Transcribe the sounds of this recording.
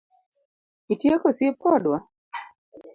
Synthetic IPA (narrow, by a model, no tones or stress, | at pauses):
itjekɔsip̚kɔdwa